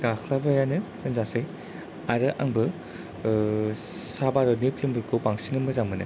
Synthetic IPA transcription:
ɡakʰlabajanɯ | ɯnzasaj | aɾɯʔaŋbɯ | sabaɾɔnepʰlimbɯɾkʰopaŋsinɯmɯzaŋmɯnɯ̰

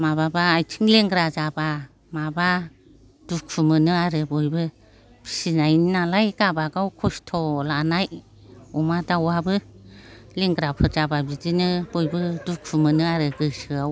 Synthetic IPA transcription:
maβabaːjt͡ʃʰiŋleŋɡɾazaba | maba | d̥ukʰumɯnɯaɾɯbɔjbɯ | bʰi̥sinajnnalajɡabaɡawkʰɔstʰɔlanaj | ɔmadawabɯ | leŋɡɾapʰɯɾd͡ʒababidinɯbɔjbɯdukʰumɯnɯaɾɯɡɯsɯa

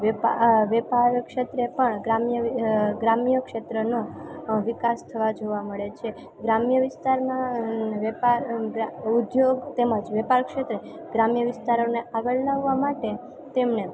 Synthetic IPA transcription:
ʋepaʋɛpaɾkʃet̪ɾepəɳɡɾamjəɡɾamjəkʃet̪ɾənoʋikast̪ʰəʋad͡ʒoʋaməɭet͡ʃʰe | ɡɾamjəʋɪst̪aɾmãʋepaɾɡud̪joɡt̪eməd͡ʒʋɛpaɾkʃet̪ɾe | ɡ̥ɾamjəʋɪst̪aɾoneʔaɡəɭlaʋːamaʈe | t̪emne

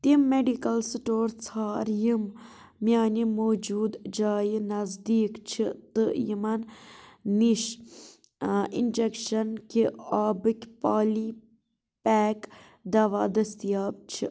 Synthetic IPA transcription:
t̪imːeɖikɐlsʈoːɾt͡sʰaːɾjim | mjaːnimoːd͡ʒuːd̪d͡ʒaːjinɐzd̪iːkt͡ʃʰit̪ɨjimɐnniʃ | ḭnd͡ʒekʃɐnkʲiaːbɨkʲpaːli | pɛːk | d̪ɐʋaːd̪ɐst̪ijaːb̚t͡ʃʰi

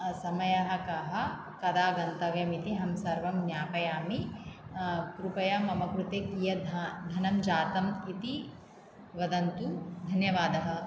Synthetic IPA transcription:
sɐmɐjɐɦɐ̆kɐɦɐ̆ | kɐd̪aːɡɐnt̪ɐɡjɐmit̪iɦɐmsɐɾʋɐmnjaːpɐjaːmi | kɾupɐjɐmɐmɐkɾut̪eːkijɐd̪ʱd̪ʱɐnɐmd͡ʒaːt̪ɐmit̪i | ʋɐd̪ɐnt̪ud̪ʱɐnjɐʋaːd̪ɐɦɐ̆

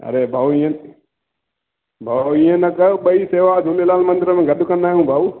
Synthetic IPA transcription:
ɐ̰ɾebʱaːuĩẽ | bʱaːuĩjẽnɐkəɓəiseːʋaːd͡ʒ̪ʱʊlelaːlmɐnd̪ɪɾəmẽːɡɐɗ̪ukɐnd̪aːɦũːbʱaːu

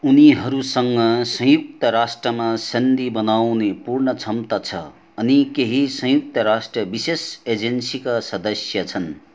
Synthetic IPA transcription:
uniɦʌɾusʌŋɡʌsʌ̃juk̚t̪ʌɾasʈrʌmasʌnd̪ibʌnawnepurnʌt͡sʰʌmt̪ʌt͡sʰʌ̰ː | nikeɦisʌ̃juk̚t̪ʌɾasʈrʌbisesed͡zensikasʌd̪ʌsjʌt͡sʰʌn

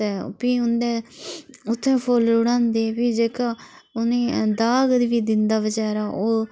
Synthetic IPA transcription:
ɛːpiːʊnd̪ɛː | ʊt̪ʰːɛ̃ːpʰoːlɾʊɽãːnd̪eːpiːd͡ʒeːkaːʊnẽːd̪aːɡd̪ʋiːd̪ɪnd̪aːbəd͡ʒaːɾaːʔoː

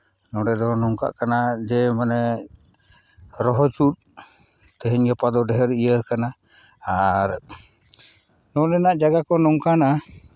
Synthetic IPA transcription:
nɔɖɛd̪ɔnɔŋka̰ʔkanad͡ʒɛmanɛ | ɾɔɦɔt͡ʃut̪̚ | t̪ɛɦɛɲɡəpad̪ɔɖɛɦɛɾijəkana | aɾ | nɔɖɛnaʔd͡ʒaɡakɔnɔŋkana

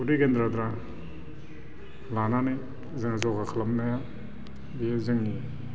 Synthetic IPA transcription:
udiɡendɾad̪ɾa | lananej | zɯŋazɔɡakʰalamnaja | biezɯŋni

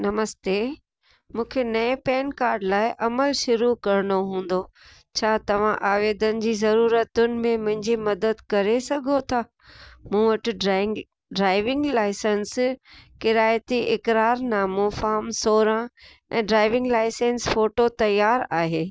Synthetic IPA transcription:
nɐməst̪eː | mũːkʰenɐẽpɛːnkaːɾɖlaːɪʔɐməlʃʊɾukɐɾɪnoɦũːn̆d̪o | t͡ɕʰaːt̪ɐʋ̤ãʔaːʋeːd̪ənɪ̆d͡ʑiːzɐɾuːɾət̪ʊnɪ̆mẽmʊ̃ɦɪ̃ɲd͡ʑimɐd̪əd̪kɐɾesɐɡʱot̪ʰaː | mũːʋɐʈɪ̆ | ɖɾaːɪʋɪ̃ŋɡlaːɪsənskɪɾaːjət̪iʔɪkɾaːɾnaːmõfaːmsoːɾã | ɛ̰̃ːɖɾaːɪʋɪ̃ŋɡlaːɪsẽːnsfoːʈot̪ɐjaːɾaːɦeː

